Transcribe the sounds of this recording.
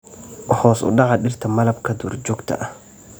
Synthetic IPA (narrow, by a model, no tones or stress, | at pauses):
hɔːsʊ̰ɗɑʕaɗɪrt̪ʰɐmɐlɐbkʰɐd̪uːɾd͡ʒɔɡt̪ʰɐ̰ʔɐh